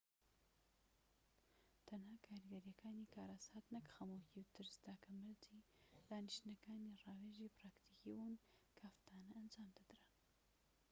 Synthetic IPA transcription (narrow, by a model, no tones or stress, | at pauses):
t̪ʰanhɑːkʰɑːɾiɡaɾijakʰaːnikɑːɾasaːt̪nakxamokiwt̪ɨɾzd̪aːkʰamalt̪ʰid̪aːniʃt̪naɡaːnirɑːweʒipɾɑːkt̪ikiwunkʰaaft̪ʰɑːnaːnd͡ʒɑːmd̪ad̪ɾa